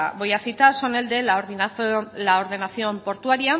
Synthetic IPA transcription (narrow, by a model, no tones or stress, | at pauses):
βo̞jaθit̪aso̞ne̞ld̪e̞la | laoɾð̞e̞naθio̞mpo̞ɾt̪uaɾia